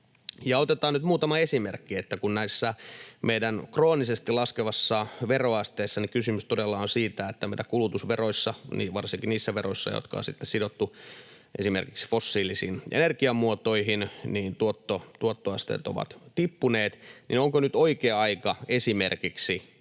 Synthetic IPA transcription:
jɑot̪et̪ɑːnyt̪muːt̪ɑmɑesimerkːiet̪ːækunnæisːæmeidænkroːnisest̪ilɑskeʋɑsːɑʋeroɑst̪eːsːɑnikysymyst̪odelːɑonsiːt̪æet̪ːæmeiɾækulut̪usʋeroisːɑniʋɑrsiŋkinniːsːæʋeroisːɑ̰jo̰t̪kɑ̰o̰sit̪ːessidot̪ːu | ʔesimerkiksi̥fosːiːlisiːnʔḛnerkiɑmuot̪oiɦinniːnt̪uot̪ːot̪uot̪ːoɑst̪ḛːt̪o̰ʋɑ̰t̪t̪ipːuneːt̪nḭnoŋkonyt̪oikeːɑikɑesimerkiksi

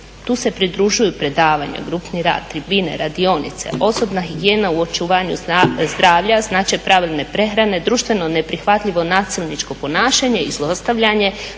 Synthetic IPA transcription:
t̪uːse̞pɾid̪ɾuʒujupɾe̞d̪aːʋaɲa̰ɡɾupniɾa̰ːd̪̚t̪ɾibine̞̰ɾad̪io̞nḭt̪se̞̰ʔo̞so̞bnaxiɡije̞ːnauo̞t͡ʃuʋaːɲṵzd̪ɾaːʋʎaznaːt͡ʃepɾaʋilˠne̞pɾe̞xɾane̞d̪ɾuʃt̪ʋe̞no̞ne̞pɾixʋat̪ʎʲiʋo̞naːsilˠnit͡ʃko̞po̞naːʃaɲe̞izlˠost̪aʋʎaɲe̞

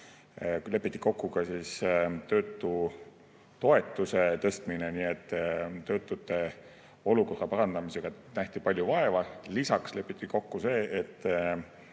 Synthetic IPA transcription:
le̞pːˑit̪ːi̥ko̞kːukɑsiːst̪ø̞ːt̪ːˑu | t̪o̞e̞t̪ːˑuse̞t̪ɤ̞st̪mine̞niːet̪ːˑt̪ø̞ːt̪ːˑut̪ːˑe̞ | o̞luko̞rːɑpɑɾɑnd̪ɑmise̞ɡ̥ɑnæht̪ipɑlʲjuvɑe̞vɑlisɑksle̞pːˑit̪ːˑiko̞kːuse̞ːʔet̪ːˑ

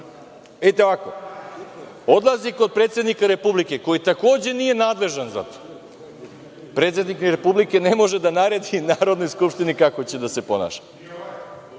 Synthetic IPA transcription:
eit̪eoʋako̞ | o̞d̪lˠaziko̞d̪̚pɾet̪se̞d̪nikaɾe̞publikeko̞jit̪akoːd͡ʑe̞nije̞naːd̪le̞ʒanza̰t̪o̥ | pɾet̪se̞d̪nikniɾepublikenemo̞ʒed̪anaɾe̞d̪inaːɾo̞d̪no̞jskupʃt̪inikako̞t͡ɕed̪ase̞po̞na̰ːʃḁ

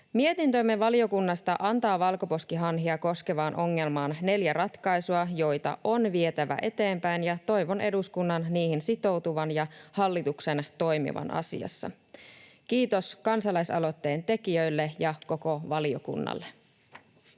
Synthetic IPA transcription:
mie̞t̪int̪ømːeʋɑlio̞kunːɑst̪ɑʔɑnt̪ɑːʋɑlko̞po̞skiɦɑnɦiɑko̞ske̞ʋɑːnʔo̞ŋːe̞lmɑːnne̞ljærɑt̪kɑjsuɑjo̞jt̪ɑ̰ʔo̞nʋie̞t̪æʋæ̰ʔe̞t̪e̞ːmpæjnjɑt̪o̞jʋo̞nʔe̞duskunːɑnniːhinsit̪o̞wt̪uʋɑnjɑhɑlːit̪uksent̪o̞jmḭʋɑ̰nʔɑ̰sḭɑ̰sːɑ̰ | kiːt̪o̞skɑnsɑlɑjsɑ̰lo̞t̪ːe̞ːnt̪e̞kiøjlːejɑko̞ko̞ʋɑlio̞̰kṵnːɑ̰lːe

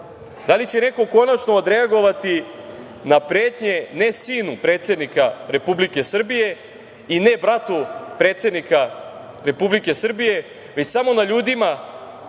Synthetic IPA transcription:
d̪alit͡ɕe̞ne̞ko̞ko̞nat͡ʃnoːd̪ɾe̞aɡo̞ʋat̪i | napɾe̞ːt̪ɲe̞ne̞siːnupɾe̞ːt̪se̞d̪nikaɾe̞publike̞sr̩bije̞ | ine̞bɾat̪upɾe̞ːt̪se̞d̪nika | ɾe̞publike̞sr̩bije̞ | ʋe̞t͡ɕsamo̞naʎuːd̪ima

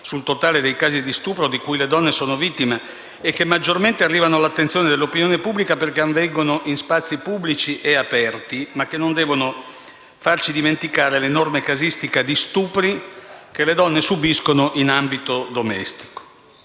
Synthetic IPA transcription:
sult̪ot̪aːled̪ejkaːzid̪ist̪uːpɾod̪ikujled̪ɔnːesoːnovit̪ːimeː | kːemːad͡ʒːorment̪earːiːvanoalat̪ːent̪sjoːned̪elːopinjoːnepubːlikaperkeaɱvɛŋɡonoʔinspat̪sːipubːlit͡ʃiʔeapɛrt̪imakːenond̪ɛːvono | fart͡ʃid̪iment̪ikaːɾelenormekazist̪ikad̪ist̪uːpɾikeled̪ɔnːesubiskonoʔinambit̪od̪omɛ̰st̪i̥ko̥

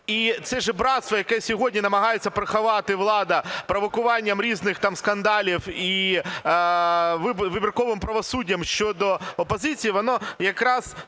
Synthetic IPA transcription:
it̪sɛʒɛbɾɑt̪st̪ʋɐjɐkɛsʲɔɦɔdʲnʲinɐmɐɦɑjet͡sʲːɐpɾɐxɐʋɑt̪ɪʋlˠɑd̪ɐpɾɔʋɔkʊʋɑnʲːɐmɾʲiznɪxt̪ɑmskɐnd̪ɑlʲiwi | ʋɪʋɪbʲirkɔʋɪmpɾɐʋɔsudʲːɐmʃt͡ʃɔd̪ɔɔpɔzɪt͡sʲijiʋɔnɔjɐkɾɑz̥

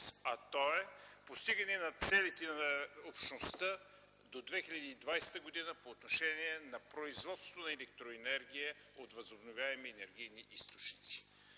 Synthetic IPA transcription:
sɐt̪ɔɛpost̪iɡɐnɛnɐt̪sɛlit̪ɛnɐopʃnost̪ə | d̪od̪vɛxiʎʲɐd̪iːd̪vajsɛ̥t̪əɡod̪inəpoːt̪noʃɛniɛnɐpɾoizvɔt̪st̪t̪onɐɛlɛk̚t̪ɾoɛnɛɾɡʲijə | ot̪vɐzobnovʲjaɛmiɛnɛɾɡʲijniʔist̪ot͡ʃnit̪si̥

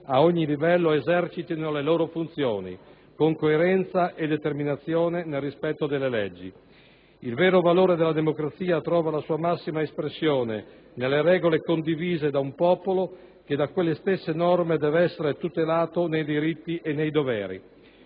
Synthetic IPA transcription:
aoɲːilivɛlːoezɛrt͡ʃit̪inoleloːɾofunt̪sjoːnḭ | koŋkoeɾɛnt̪saʔed̪et̪erminat̪sːjoːnenelrːispɛt̪ːod̪elːelɛd͡ʒːḭ | ilvɛːɾovaloːɾed̪elːad̪emokɾat̪siːat̪ɾɔːvalasuːamasːimaespɾesːjoːne | nelːeɾɛːɡolekond̪iviːzed̪aumpɔːpolo | k̟ed̪akwelːest̪esːenɔrmed̪ɛːvɛsːeɾet̪ut̪elaːt̪onejd̪iɾit̪ːiʔenːejd̪ovɛːɾḭ

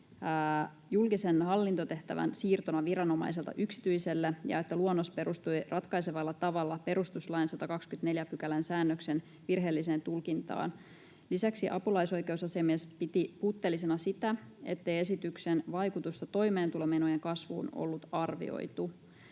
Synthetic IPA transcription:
julkisenhɑlːint̪ot̪e̞ht̪æʋæ̰nsiːrt̪onɑʋiɾɑno̞mɑ̰js̬e̞lt̪ɑ̰ʔyksi̥t̪yise̞lːejɑ̰e̞t̪ːæluonːospe̞ɾust̪ujrɑt̪kɑjseʋɑlːɑt̪ɑʋɑlːɑpe̞ɾust̪uslɑjnsɑt̪ɑkɑkskyt̪ne̞ljæpykælænsæːnːøksen | ʋirɦe̞ːlːise̞ːnt̪ulkint̪ɑ̰ːn | lisæksiʔɑpulɑjso̞jke̞usɑsiɑmiespit̪ipuːt̪ːelːisenɑsit̪æe̞̰t̪ːe̞je̞sit̪yksenʋɑjkut̪ust̪ɑt̪o̞jme̞ːnt̪ulemenojeŋkɑsʋṵːno̰lːut̪ɑrʋḭo̰jt̪u

